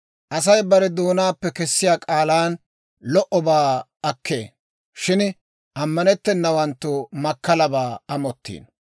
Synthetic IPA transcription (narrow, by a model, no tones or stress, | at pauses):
ʔɐs̬ɐjbɐɾɛd̪uːnaːpːɛkɛsːɪjaːkʼaːlaːn | lɔʔɔbaː | ɐkːḛː | ʃɪn | ʔɐmːɐnɛt̪ːɛnːɐwɐnt̪ːʊmɐkːɐlɐbaːɐmɔt̪ːḭːn